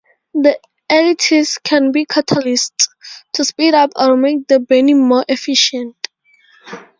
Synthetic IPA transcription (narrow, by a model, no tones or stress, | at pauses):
d̪i | ɛlitʰiskʰɛ̃nbikʰatʰalisttʰːuspiɾapʰɔɹmek̚d̪əbɛnimɔʔɛfiʃə̃nt